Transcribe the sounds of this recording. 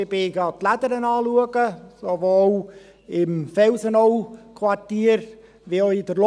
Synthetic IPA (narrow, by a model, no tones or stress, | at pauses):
ɪbɪɡatladəɾənɑːluəɡəsovo | ɪmfɛlsənowkʰwatiːəɾ | viɔʏdəɾl